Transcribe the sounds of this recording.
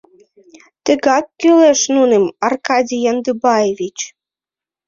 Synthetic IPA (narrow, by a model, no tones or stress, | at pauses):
t̪ə̆ɣɑkːyleʃnunemɑrkɑdʲijɑnd̪ɨbɑjevʲit͡ɕ